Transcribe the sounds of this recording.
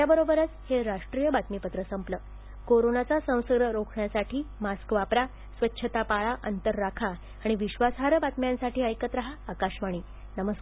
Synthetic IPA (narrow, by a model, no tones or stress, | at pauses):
t̪jabəɾobəɾət͡sheɾaʂʈɾijəbat̪mipət̪ɾəsəmpləː | koɾonat͡sasə̃w̃səɡɾəɾokʰɳjasaʈʰiːmaskʋapɾa | sʋətːɕʰət̪apaɭaʔənt̪əɾːakʰaː | ɽ̃iʋiɕʋasɦaɾbat̪mjãnsaʈiːəjkət̪ɾəɦaːkaɕmaɽ̃iː | nəməsk